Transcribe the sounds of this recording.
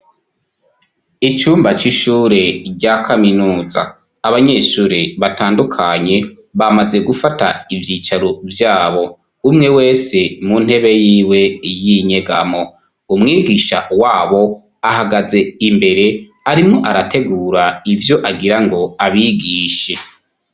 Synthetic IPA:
it͡ʃuːmbat͡ʃiʃuɾe̞ɟakʰaminuːza̰ː | βaɲeʃuɾeβataːndukʰaɲe̞ | βamaze̞ɡufata̰ivjiːt͡ʃaɾovjaːβo̞ | umŋe̞we̞ːse̞mun̥he̞βe̞jiːwe̞jiɲe̞ɡa̰mo̞ | umŋiːɡiːʃa̰waːβo̞ | ahaɡaze̞imbe̞ɾe̞ | aɾimŋoʔaɾate̞ɡuːɾaivjo̞ʔaɡiɾaŋɡo̞aβiɡiːʃe̞

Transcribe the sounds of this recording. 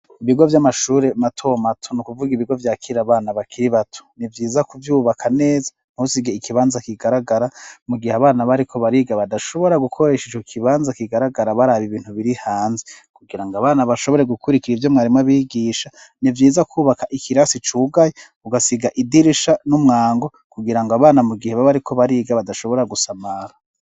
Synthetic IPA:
iβiɡo̞vjamaʃuːɾematʰo̞matʰonukuvuɡiβiɡo̞vjaːkʰiɾaβaːnaβakʰiɾiβatʰo̥nivjiːzakuvjuːβakʰane̞ːzḁ | n̥husiɡeikiβaːnzakiɡaɾaɡaɾamuɡiheaβaːnaβaɾikʰo̞βaɾiɡaβadaʃo̞βo̞ɾaɡukʰo̞ɾe̞ʃit͡ʃokʰiβaːnzakiɡaɾaɡaɾaβaɾaβiβiːn̥uβiɾihaːnzekuɡiɾaŋɡaβaːnaβaʃo̞βo̞ɾeɡukʰuɾikiɾivjo̞mŋaːɾimŋaβiːɡiːʃa | nivjiːzakʰuːβakaʔikʰiɾasit͡ʃuːɡaje | uɡasiɡaʔidiɾiʃanumŋaːŋɡo̞ | kuɡiɾaŋɡoaβaːnamuɡiheβaβaɾikʰo̞βaɾiɡaβadaʃo̞βo̞ɾaɡusamaɾa

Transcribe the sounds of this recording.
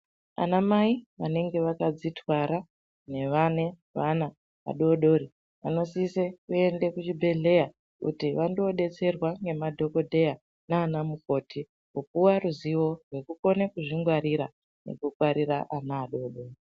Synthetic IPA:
a̰namaiʋane̞ŋɡe̞ʋakad͡zitʰwaɾa | ne̞ʋane̞ | ʋana | a̰ɗo̞ɗo̞ɾi | ʋa̰no̞sisekue̞ndekut͡ʃibʱe̞ɮe̞ja | kṵtiʋando̞ɗe̞t͡se̞rwaŋɡe̞madʱo̞ko̞dʱe̞ja | naːnamuko̞ːtʰi | upuwaruziwo̞rwe̞kuko̞nekuʐiŋɡwaɾiɾa | ne̞̰kukwaɾiɾaʔanaːɗo̞ːɗo̞ːri

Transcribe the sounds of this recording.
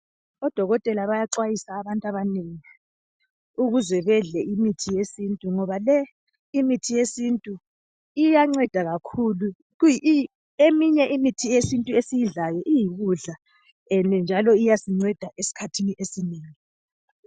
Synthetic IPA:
ɔd̥ʱɔɣɔtʼɛlaβajaǁwajisaːβantʼaβaneŋi | uɣuzɛβɛɮɛʔimitʰijesintʼuŋɔβalɛ | imitʰijesintʼu | ijaŋ͡ǀɛd̥ʱaɣakʰulu | uj | emiɲɛʔimitʰijesintʼuesijiɮajɔʔijiɣuɮa | ɛndʱɛnd͡ʒʱalɔijasiŋ͡ǀɛd̥ʱaʔesi̥kʰatʰiniʔesineːŋi

